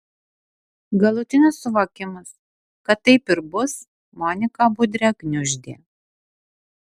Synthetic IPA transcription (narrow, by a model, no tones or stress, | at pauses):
ɡɐlˠʊt̪ʲɪnʲɪsːʊʋoːkʲɪmɐs | kɐt̪ːɐɪpɪɾbʊs | mɔːnʲɪkɑːbʊd̪ʲɾʲɛknʲʊʒʲd̪ʲḛː